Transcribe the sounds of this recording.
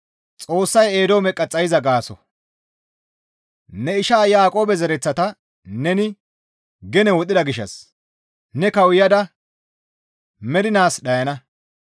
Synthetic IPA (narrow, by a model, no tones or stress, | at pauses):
t͡sʼo̞ːsːɐje̞ːd̪oːmɛkʼːɐt͡sʼːɐjɪzɐɡaːsɔ̰ | nɛɪʃaːjaːkʼo̞ːbɛzɛɾɛt͡sːɐt̪ɐ | nɛnɪ | ɡɛnɛwɔt̪ʼɪd̪ɐɡɪʃːɐ̰s | nɛkɐwɪjɐd̪ɐ | mɛd̪ɪnaːsɗɐjɐnɐ